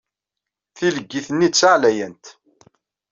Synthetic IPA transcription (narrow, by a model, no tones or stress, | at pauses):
θiləɡːiθənːit͡sːaʕlæjənt̪